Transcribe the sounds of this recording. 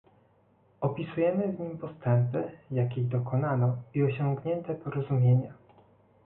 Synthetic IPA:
ɔpʲisujɛmɘvɲimpɔst̪ɛmpɘjakʲijd̪ɔkɔnanɔiɔɕɔŋɡɲɛnt̪ɛpɔɾɔzumʲjeɲa

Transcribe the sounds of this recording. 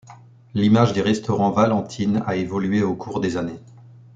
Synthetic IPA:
limaʒd̪eʁɛst̪ɔʁɑ̃valɑ̃t̪ʰina̰evɔlɥeokʰuʁd̪ezane

